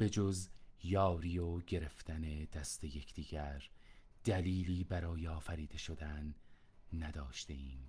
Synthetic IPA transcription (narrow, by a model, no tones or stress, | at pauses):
b̥e̞d͡ʒozjɒːɾiːoɟe̞ɾe̞ft̪ʰæne̞d̪̥æst̪e̞je̞kʰd̪̥iːɡ̥æɾ | d̪̥æliːliːbæɾɒːjeɒːfæɾiːd̪e̞ʃo̞d̪ænː | æd̪ɒːʃt̪e̞iːm